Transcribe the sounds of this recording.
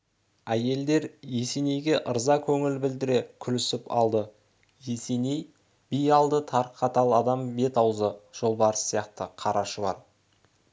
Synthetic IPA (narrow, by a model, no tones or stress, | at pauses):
æje̞ld̪e̞ɾje̞se̞ne̞jɡʲe̞ʔəɾzɑkʲʰɵŋɪlbɪld̪ɪɾe̞kʲʰʏlɪsɪpɑ̰lˠd̪ə | je̞se̞ne̞j | b̥ijɑlˠd̪ət̪ʰɑɾqʰːɑt̪ɑlˠɑd̪ɑmbe̞t̪ɑwzəʒ̥o̞lˠbɑɾəsːijɑqt̪əqʰɑɾʔɑʃəlˠɑɾ